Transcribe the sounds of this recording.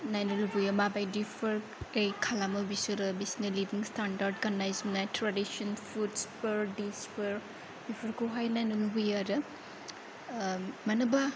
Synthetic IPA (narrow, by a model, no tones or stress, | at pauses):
najnɐlubujamabajdipʰɐɾ | ejkʰalamɐbisuɾɐbisinɐlibiŋstandaɾd̚ɡanːajzmnajtʰɾadisonpʰudspɐɾdispɐɾ | dipʰɐɾkʰuɦajnajnɐlubujaɾɐ | mɐnɐba